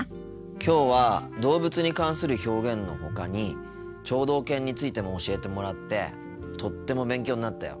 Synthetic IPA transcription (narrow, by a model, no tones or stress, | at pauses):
kʲo̞ːβad̪o̞ːbɯt͡sɨɲ̟ikãɰ̃sɨɾɯ̟ço̞ːɡẽ̞nnːo̞̰ho̞kaɲ̟i | t͡ɕo̞ːd̪o̞ːkẽ̞ɲ̟ːit͡sɨit̪e̞mo̞ːɕie̞t̪e̞mo̞ɾat̪ːe̞̰ | t̪o̞t̪ːe̞mo̞bẽ̞ŋkʲo̞ːɲinat̪ːa̰jo̞̰